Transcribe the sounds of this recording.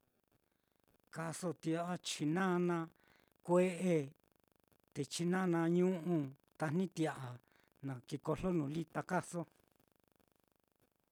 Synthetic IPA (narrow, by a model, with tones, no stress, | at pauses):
ka˧so˧˨t̪i˧a˧ʔa˧t͡ʃi˧nã˦nã˧ | kʷe˦ʔe˧ | t̪e˨t͡ʃi˧nã˦˧nã˧ɲũ˦ʔũ˧ | t̪a˧n̥ĩ˦t̪i˧a˨ʔa˨ | nã˨ki˧ko˧lo˦nũ˨li˦t̪a˧ka˦so˦